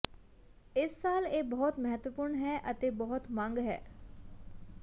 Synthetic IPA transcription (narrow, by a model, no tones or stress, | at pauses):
ɪsːaːleːbɔɦʊt̪mɐɦət̪ʋəpuːɾɳɦɛʔɐt̪ebɔɦʊt̪mɐ̃ŋɡɦɛ̰ː